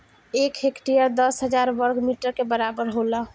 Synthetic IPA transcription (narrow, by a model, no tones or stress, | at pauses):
ekekʈiəɾd̪əsɦəd͡ʒaɾʋəɾɡmiʈəɾkebəɾabəɾɦolə